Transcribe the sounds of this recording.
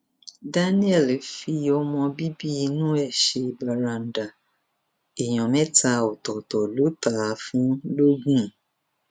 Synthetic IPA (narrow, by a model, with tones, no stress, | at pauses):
da˦nĩ˦ɛ˦˨lfi˧ɔ˧mɔ̃˧bi˦bi˦i˧nũ˦ɛ˦˨ʃe˧i˨ba˨ɾa˧˨n̩˨da˨ | e˨j̃ɔ̃˨mɛ̃˦ta˧ɔ˨tɔ˨tɔ˨lo˨˦ta˨˦fũ˦lo˦ɡũ˦˨